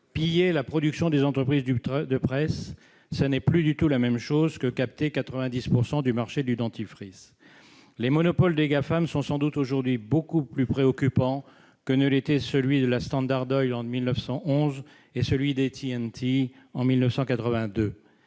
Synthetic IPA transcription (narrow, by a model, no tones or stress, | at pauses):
pijelapχɔd̪yksjɔ̃d̪ezɑ̃t̪χəpχizd̪yd̪əpχɛsː | ənɛplyd̪yt̪ulamɛmʃozkəkap̚t̪ekat̪χəvɛ̃d̪ispuʁsɑ̃d̪ymaʁʃed̪yd̪ɑ̃t̪ifχis | lemɔnɔpɔld̪eɡafamsɔ̃sɑ̃d̪ut̪oʒuʁd̪ɥibokuplypχeɔkʲypɑ̃ | kənəlet̪ɛsəlɥid̪əlast̪ɑ̃d̪aʁd̪ɔjɑ̃milnəfsɑ̃ʔɔ̃z | esəlɥid̪et̪ʰiɛnt̪ʰi | ɑ̃milnəfsɑ̃kat̪χəvɛ̃d̪ø